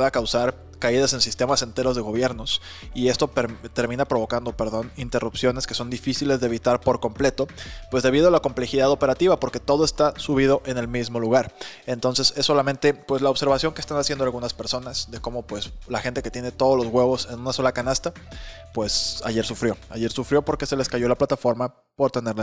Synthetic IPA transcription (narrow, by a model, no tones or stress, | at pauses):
aːkawsaɾ | kaiðase̞nsist̪e̞mase̞nt̪e̞ɾo̞zð̞e̞ɣ̞o̞βje̞ɾno̞s | ie̞st̪o̞pɾt̪e̞ɾmĩnapɾo̞βo̞kand̪o̞pe̞ɾðo̞nint̪e̞rupsjo̞ne̞ske̞so̞nd̪ifisile̞zðeːβit̪aɾpo̞ɾko̞mple̞t̪o̞pwe̞zðe̞βiðo̞alako̞mple̞xiðaðo̞pe̞ɾat̪iβapo̞ɾke̞t̪o̞ð̞oe̞st̪asuβ̞ið̞o̞ʔe̞ne̞lmizmo̞luɣaɾe̞nt̪o̞nse̞se̞sːo̞lamẽ̞nt̪e̞pwe̞slaoβse̞ɾβasjo̞ŋkest̪anasjend̪oalɣunaspe̞ɾso̞nasðe̞ko̞mo̞pwe̞slaxe̞nt̪e̞ket̪je̞ne̞t̪o̞ð̞olo̞zɣwe̞βo̞se̞nũnaso̞lakanast̪a | pwe̞sa̰ʝe̞ɾsufɾjo̞a̰je̞ɾsufɾjo̞po̞ɾke̞se̞le̞skaʝo̞laplat̪afo̞ɾma | po̞ɾt̪e̞ne̞ɾl